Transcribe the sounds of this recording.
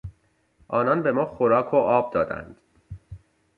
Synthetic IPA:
ʔɒːnɒnbe̞mɒːxoɾɒːkʰoʔɒːb̚d̪ɒːd̪æ̰nd̪̥

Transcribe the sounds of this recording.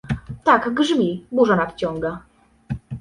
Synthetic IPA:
t̪aɡɡʐmʲibuʐɔnapt͡ɕɔŋɡa

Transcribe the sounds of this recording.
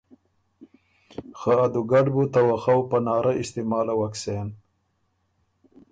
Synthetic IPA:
xaad̪uɡaɖbut̪awaxawpanɑːɾaɪst̪ɪmɑːlawaksen

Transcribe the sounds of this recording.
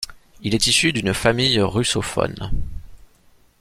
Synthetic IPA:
ilɛt̪isyd̪ynfamijʁysɔfɔ̰n

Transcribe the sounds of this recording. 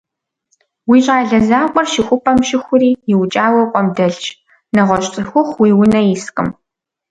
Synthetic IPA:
wiːɕʼaːɮɐzaːqʷʼɔrʃɪxʷʊpʰʼɐmʃɪxʷʊɾiːjɪwt͡ʃʼaːwɐqʷʼɔmdɐɮt͡ʃ | nɐʁʷɔɕʼt͡sʼɨxʷʊχʷwiːwʊnɐjiskʼɨ̰m

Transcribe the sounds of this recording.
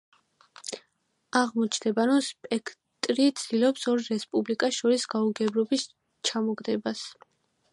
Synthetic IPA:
aʁmɔt͡ʃʰd̪ɛbaɾɔmspʼɛkʰ | t̪ʼɾit̪sʰd̪̥ilɔpsɔɾɾɛspʼublikʼaʃɔɾisɡauɡɛbɾɔbis | t͡ʃʰamɔɡʼd̪ɛbas

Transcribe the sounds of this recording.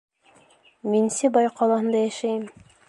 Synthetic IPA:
minsɘbɑjqʰɑlˠɑhɤ̆nd̪ɑjæʃæjɘm

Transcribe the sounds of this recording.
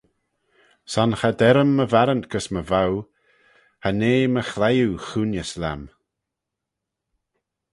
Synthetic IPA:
sanxadɛɾəmːəvaɾəntɡ̥əsməvaw | haneːməxlajuxunjəsla̰m

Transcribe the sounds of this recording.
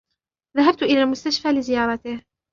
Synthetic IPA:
ðaɦab̚t̪ʊʔɪlaːmʊst̪aʃfaːlɪzɪjɑːɾˤɑt̪ɪh

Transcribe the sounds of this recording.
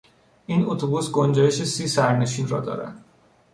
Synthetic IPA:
iːnot̪ʰobusɡond͡ʒɒːjeʃesiːsæɾne̞ʃiːnrɒ̰ːd̪ɒ̰ːɾæ̰n̥

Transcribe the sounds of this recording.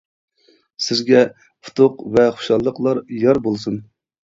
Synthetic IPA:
sɪzɡʲɛ | pʰʊ̥t̪ʰʊqvɛχʊ̥ʃɑlˠːəqlˠɑɾjɑɾbolˠsun

